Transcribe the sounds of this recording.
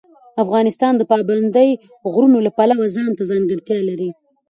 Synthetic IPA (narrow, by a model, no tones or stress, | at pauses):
afɣɑnɪst̪ɑnd̪əpɑband̪əj | ɣɾunolapalawazɑnt̪azɑŋɡəɽt̪jɑlaɾi